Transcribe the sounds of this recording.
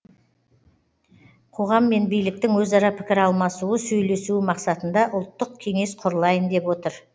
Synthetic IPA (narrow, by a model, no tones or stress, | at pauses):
qʰo̞ʁɑmːe̞nbijlɪk̚t̪ɪŋwɵzɑɾɑpʰɪ̥kʲɪɾɑlˠmɑsuəsɵjle̞suɪmɑqsɑt̪ənd̪ɑʔʊlˠt̪ːəq̚kʲʰe̞ŋe̞sqʰʊɾəlˠɑjənd̪e̞pwo̞t̪əɾ